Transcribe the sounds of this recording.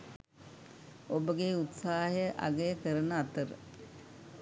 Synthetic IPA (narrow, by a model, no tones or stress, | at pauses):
obəɡeut̪saːɦjəʔa̰ɡəjəkəɾənəat̪əɾə̰